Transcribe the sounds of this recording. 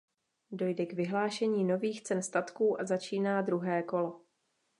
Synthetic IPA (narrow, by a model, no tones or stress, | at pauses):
do̞jdɛɡvɪɦlaːʃɛɲiːno̞viːxt͡sɛnst̪at̪kuːʔazat͡ʃiːnaːd̪ɾuɦɛːko̞lo̞